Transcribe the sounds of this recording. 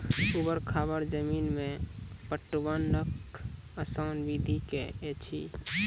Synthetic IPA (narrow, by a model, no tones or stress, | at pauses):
ubəɾkʰabəɾd͡ʒəminmepəʈːʋanəkəsanbid̪ʱikḛet͡ʃʰḭ